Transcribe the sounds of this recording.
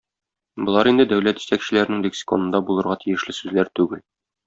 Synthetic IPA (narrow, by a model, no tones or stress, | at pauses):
bŏlˠɑɾind̪ɘd̪æwlæt̪ʒi̥t̪ækɕɘ̆læɾɘ̆nɘŋb̪iksʲɪ̥ko̰nɤ̆d̪ɑbulˠɤ̆ɾʁɑt̪ʰijɘ̆ʃlɘsʉzlæɾt̪ʉɡɘl